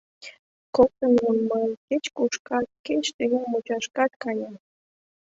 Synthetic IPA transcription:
kot̪ənunməket͡ɕkuʃkɑt̪̚ket͡ɕt̪ə̆ɣemut͡ɕɑʃkɑt̪̚kɑjɑ

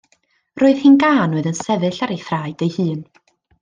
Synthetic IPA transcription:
roːɨð̥hɪnɡaːnʊɨðənsɛvɨɬaɾejθraːɨdejhɨːn

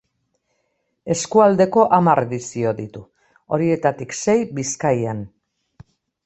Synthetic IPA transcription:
e̞skuald̪e̞ko̞ʔamaɾe̞ðisio̞ðit̪u | o̞ɾie̞t̪at̪ikse̞jbiskajan

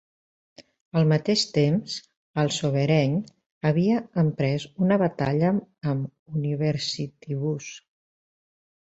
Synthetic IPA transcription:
əlˠmət̪eʃt̪emz | əlˠsoβ̞əɾɛɲ | əβiəəmpɾɛzunəβət̪aʎəːm | uniβəɾsit̪iβus

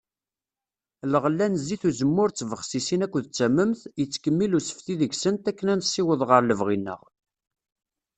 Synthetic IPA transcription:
ləʁəlːænzːiθuzəmːʊɾt͡sːvəχsisinækʷːðt͡sːæmːəmθjət͡sːkəmːilusə̥fθiðəʝsənt̪ækːənænsːiwəðˤʁəɾləvʁinːə̰ʁ

